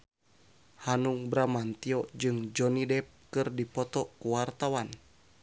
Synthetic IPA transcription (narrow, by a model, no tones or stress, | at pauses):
hanuŋbɾamant̪iɔd͡ʒɨŋd͡ʒɔnidɛp̚kɨrdipɔt̪ɔkuwart̪awan